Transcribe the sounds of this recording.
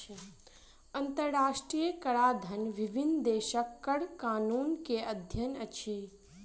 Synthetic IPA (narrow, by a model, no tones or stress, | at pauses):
ɐnt̪əɾɾaːʃʈɾijəkɐɽad̪ʱɐnʋiʋʱind̪eːʃəkːəɽkaːnuːnkeʔəd̪ʱjənət͡ʃʰi